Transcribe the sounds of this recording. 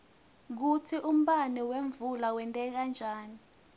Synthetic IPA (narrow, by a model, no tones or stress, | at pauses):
k̬utʰiʔum̩ɓanɛweɱvulawɛntʼɛk̬and͡ʒʱaːni